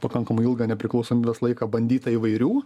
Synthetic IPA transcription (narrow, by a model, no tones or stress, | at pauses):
pɐkɐŋkɐmʊɪlˠɡɑnʲɛpʲɾʲɪklˠɐʊsoːmʲiːbʲɛslˠɐɪkɑbɐnʲd̪ʲiːt̪ɐiːʋɐɪɾʲuː